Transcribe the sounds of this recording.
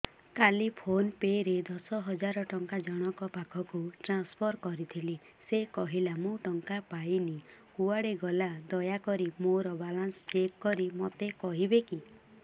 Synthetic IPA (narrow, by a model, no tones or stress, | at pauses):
kalipʰonpeɾed̪ɔsɔɦɔd͡ʒaɾɔʈɔŋkad͡ʒɔɽ̃ɔkɔpakʰɔkuʈɾanspʰɔɾkɔɾit̪ʰili | sekɔɦilamũʈɔŋkapajnikuaɽeɡɔlad̪ɔjakɔɾimoɾɔbalanst͡ʃekːɔɾimot̪ekɔɦibeki